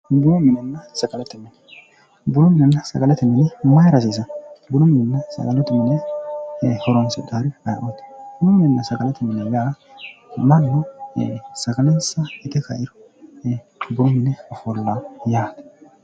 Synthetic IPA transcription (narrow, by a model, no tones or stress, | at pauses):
bʊnɔmɪnɛnːɐsɐɡʼɐlɛt̪ːɛmɪn | bʊnɔmɪnɛnːɐsɐ̰ɡʼɐlɛt̪ːɪmɪnɛmɐjɾɐs̬iːs̬ɐbʊnʊmɪnɛnːɐsɐ̰ɡɐlɛt̪ʊmɪnɛ | hɔɾɔnsɪd̪aɾɪɐj̰ʔɔt̪bʊnʊmɪnɛnːɐsɐɡɐlɛt̪ʊmɪnɛjaː | mɐnːɔ | sɐɡɐlɛnsɐɛt̪ɛkɐ̰ʔɪɾʊ̥ | bʊɾʊmɪnɛɔfɔlːajaːt̪ɛ̥